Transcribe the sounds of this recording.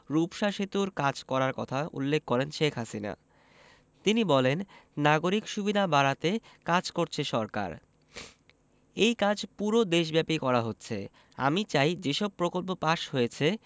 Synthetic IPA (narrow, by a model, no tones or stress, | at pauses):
ɾupʃaʃet̪uɾkad͡ʑkɔɾaɾkɔ̰t̪ʰaṵlːekʰːɔɾenʃekʰɦasina̰ | t̪inibɔlenːaɡoɾikʃubid̪ʱabaɾat̪ekad͡ʑkoɾt͡ɕʰeʃɔɾka̰ɾ | ejkad͡ʑpuɾod̪eʃ̬bɛpikɔɾaɦotːɕʰḛ | a̰mit͡ɕajd͡ʑeʃɔb̚pɾokolpopaʃɦojet͡ɕʰe